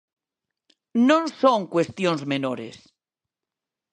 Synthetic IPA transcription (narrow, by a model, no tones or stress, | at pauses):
nõnsõŋkwest̪jonzmenoɾḛs